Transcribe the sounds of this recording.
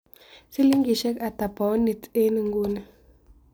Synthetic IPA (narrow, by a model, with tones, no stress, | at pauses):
si˦li˦ŋɡi˨ʃɛ˦ka˨ta˨pa˨o˦ni˨te˦ni˨ŋɡu˦nə˨